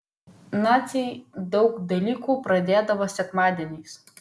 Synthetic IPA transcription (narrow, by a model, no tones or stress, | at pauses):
nasʲijd̪ɔwkd̪ɐlʲikupɾɐd̪ʲeːd̪ɐʋɐsʲɐk̪mad̪ʲɛnʲɛjs